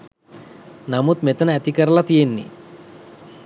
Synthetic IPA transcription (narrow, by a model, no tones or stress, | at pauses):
nɐmut̪met̪ɐnɐɐt̪ikɐɾɐlɐt̪ienːḭ